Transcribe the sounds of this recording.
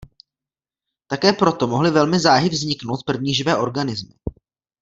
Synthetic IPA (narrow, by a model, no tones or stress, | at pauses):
t̪akɛːpɾo̞t̪o̞moɦlɪvɛlmɪzaːɦɪvzɲɪkno̞wt̪̚pr̩vɲiːʒɪvɛːʔo̞ɾɡanɪzmɪ̰